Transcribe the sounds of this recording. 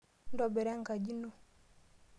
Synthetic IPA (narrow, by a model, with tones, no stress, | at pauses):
n˦dɔ˨bɛ˨ɾɛ˦ŋ˨ka˨d͡ʒi˦no˦˨